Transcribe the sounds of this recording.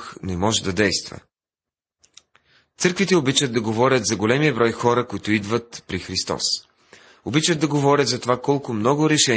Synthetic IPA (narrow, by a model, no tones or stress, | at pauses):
xnɛmɔʒɛd̪ɐd̪ɛjst̪və̰ | t̪sɤɾkvit̪ɛobit͡ʃəd̪ɐɡovɔɾʲət̪zɐɡolɛmiəbɾɔjxɔɾəkʊit̪ʊid̪vət̪pɾixɾist̪ɔ̰s | obit͡ʃəd̪̚d̪ɐɡovɔɾʲət̪zɐt̪ovakɔlˠkʊmnɔɡʊɾɛʃɛ